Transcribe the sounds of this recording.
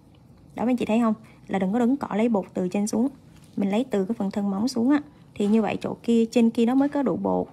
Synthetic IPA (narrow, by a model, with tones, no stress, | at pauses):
ɗɔ˨˦ma˧˦t͡ɕḭ˧˨t̪ʰjɦə˧wŋ͡m | laː˨˩ɗɨ˨˩ŋkɔ˨˦ɗɨ˨˦ŋkɔ˧˩lə˨˦jɓo˨˩t̚t̪ɨ˨˩t͡ɕe˧nsu˨˦əŋ | mï˨˩ŋ̟lə˨˦jt̪ɨ˨˩kaː˨˦jfə˨˩nt̪ʰə˧nma˨˦wŋ͡msu˨˦əŋʔaː˧˦ | t̪ʰi˨˩ɲɨ˧və̰˧˨jt͡ɕo̰˧˨ki˧ət͡ɕe˧nki˧əɗɔ˨˦məː˨˦jkɔ˨˦ɗṵ˧˨ɓo̰˧˨ʔ